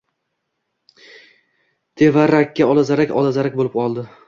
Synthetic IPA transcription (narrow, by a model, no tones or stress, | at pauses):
t̪ʰe̞vaɾːakʲːaɒlˠazaɾakʲɒlazaɾakʲbolɪp̚qʰɒlˠd̪ɪ